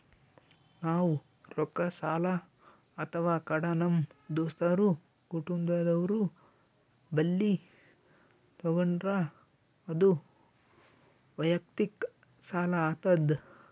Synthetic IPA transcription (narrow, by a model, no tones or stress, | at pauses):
naːwu | ɾɔkːɐsaːlɐ | ɐt̪ʰɐʋaːkɐɽɐnɐmd̪oːst̪ɐɾu | kuʈund̪aːd̪ɐʋɾu | bɐlːi | t̪ɔɡɐɳɖɾa | ɐd̪u | ʋɐjɐk̚t̪ik | saːlɐaːt̪ɐd̪